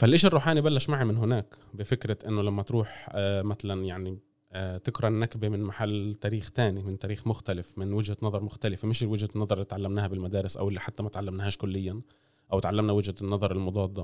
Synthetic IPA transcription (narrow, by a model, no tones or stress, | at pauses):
falʔɪʃɪrˤːuːħaːnibalːaʃmaʕimɪnɦɪnaːkbɪfɪkɾaʔɪnːʊlamːat̪ɾuːħmat̪alanjaʕni | t̪ɪkɾˤɑʔnːakbemɪnmaħalːt̪æːɾiːxt̪aːnimɪnt̪æːɾiːxmʊxt̪alɪfmɪnwɪd͡ʒhanɑðˤɑɾˤmʊxt̪alɪfemɪʃɪwɪd͡ʒhanːɑðˤɑɾˤɪlːiːt̪ʕalːamnaːhabɪlmad̪aːɾɪsʔa̰wʔɪlːiħat̪ːamat̪ʕalːamnɦaːʃkʊlːɪjːa | ʔawɪt̪ʕalːamnawɪd͡ʒhanːɑðˤɑɾˤɪlmʊd̪ˤɑːd̪ˤːɑ